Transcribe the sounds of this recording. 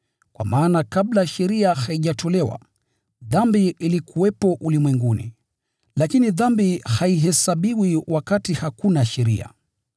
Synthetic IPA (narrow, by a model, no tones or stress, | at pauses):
kwa̰maːnakablaʃɛɾiahaiʄatʰɔlɛwa̰ | ðambiilikʰuwɛpɔʔulimwɛŋɡunḭ | lakiniðambihaiɦɛsaɓiwiwakatihakunaʃɛɾḭa̰